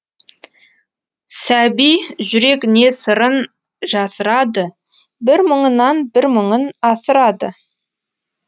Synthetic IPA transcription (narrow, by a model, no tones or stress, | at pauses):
sæbijʒʏɾe̞kne̞səɾən | ʒɑsəɾɑd̪ə | bɪɾməɴənɑnbɪɾməɴənɑsəɾɑd̪ə̰